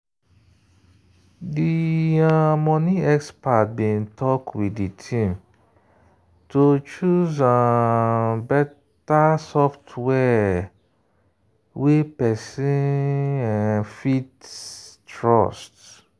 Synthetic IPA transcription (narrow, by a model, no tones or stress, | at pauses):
diãmɔniɛkspat̚bĩntʰɔkwiditʰĩm | tot͡ʃuzã | bɛ | tasɔftwɛ | wepɛsĩãnfittɹɔst